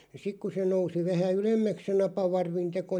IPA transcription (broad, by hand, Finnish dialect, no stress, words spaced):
sik ku se nousi ʋæhæ ylemːæks se nɑpɑʋɑrʋin teko